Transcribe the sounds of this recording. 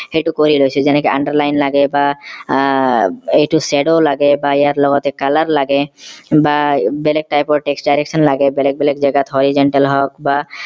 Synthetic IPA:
xejʈukoɾilojsʰɔd͡ʑɛnɛkeʔaɳɖaɾlajnlaɡeba | ejʈuseɖolaɡebaejaɾlɔɡɔt̪ekalaɾlaɡebabɛlek̚ʈajpɔɾʈeksʈɖajɾeksʰɔnlaɡebɛlɛk̚bɛlekd͡ʑɛɡat̪ʰɦɔɾizɔɳʈelɦɔkba

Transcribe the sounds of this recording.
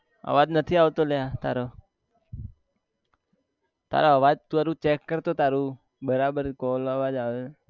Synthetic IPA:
ə̰ʋad͡ʒnət̪ʰiaʋt̪olejat̪a̰ɾo | t̪a̰ɾoəʋad͡ʒt̪uaɾut͡ʃɛkːəɾt̪ot̪aɾũ | bəɾabəɾkoləʋad͡ʒaʋe

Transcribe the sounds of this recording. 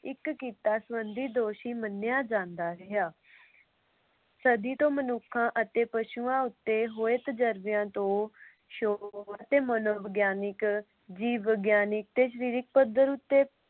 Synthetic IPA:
ɪkkiːt̪aːsəʋənd̪iːd̪oːʃiːmənːjaːd͡ʒãːnd̪aːɾeaː | səd̪iːt̪õːmənʊkʰːãːʔət̪eːpəʃuːãːʊt̪ːeːɦoːet̪d͡ʒəɾʋɪjãːt̪õː | ʃoːət̪eːmənoːʋəɡjaːnɪk | d͡ʒiːəɡjaːnɪk̚t̪eːʃ̬əɾiːɾɪk̚pəd̪əɾʊt̪ːeː

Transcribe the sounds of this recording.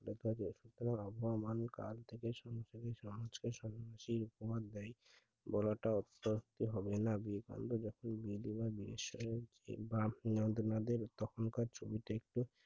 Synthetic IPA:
let̪ʰad͡ʑeʃut̪oɾaŋaboamanka̰lt̪ʰekeʃɔmoʃekeʃɔmad͡ʑkeʃɔnaʃiɾukobad̪d̪ɛj | bɔlaʈaɔt̪ːoɦut̪iɦɔbenabika̰nd̪od͡ʑɔkʰonbilibabiɾiʃɔe | ebaɔnd̪onad̪eɾt̪ɔkʰonkaɾt͡ɕʰobiʈaek̚ʈu

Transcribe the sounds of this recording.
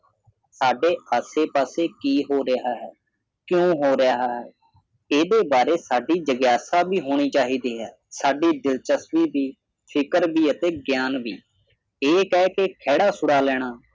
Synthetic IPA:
saːɖeːəːseːpaːseːkiːɦoːɾɪaːɦɛː | kjõːɦoːɾɪjaːɦaːɦɛː | eːd̪eːbaːɾeːsaːɖiːd͡ʒəɡjaːsaːbiːɦoːɽ̃iːt͡ʃaːɦiːd̪iːɦɛː | saːɖiːɖɪlt͡ʃəsʋiːbiː | pʰɪkəɾʋiːət̪eːɡjaːnʋiː | eːkɛːkeːkʰɛːɽaːsʊɽaːlɛːɽ̃aː

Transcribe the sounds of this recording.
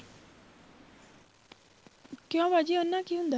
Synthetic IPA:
kjõːʋad͡ʒiʊnːãːkiːɦʊ̃nd̪a

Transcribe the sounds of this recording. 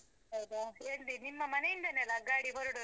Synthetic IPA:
ɐwd̪ɐeɳɖinimːɐmɐnejind̪ɐnelɐɡaːɽibɐɾuɽu

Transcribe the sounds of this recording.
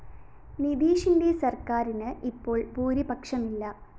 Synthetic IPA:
nid̪iːʂindesɐrkaːɾinɨʔipːo̞ːɭpuːɾibɐkʂɐmilːɐ

